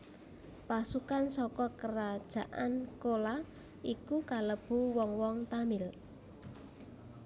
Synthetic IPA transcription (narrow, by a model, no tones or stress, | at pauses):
pasukansɔkɔkəɾad̥ʒ̥a̤ʔankola | ʔikukaləb̥ṳwɔŋwɔŋt̪amɪl